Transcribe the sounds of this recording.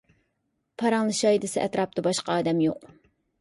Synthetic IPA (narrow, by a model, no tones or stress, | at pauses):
pʰɑɾɑŋlˠɨʃɑid̪ɨsɨʔɛt̪ɾɑp̚t̪ɑbɑʃqɑɑːd̪ɛmjoq